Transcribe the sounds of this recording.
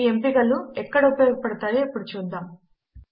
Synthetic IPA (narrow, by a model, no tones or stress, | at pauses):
empiɡɐluɛkːɐɽaupːɐjoːɡɐpɐɽɐt̪aːjoːpːuɽut͡ʃuːd̪ːaːm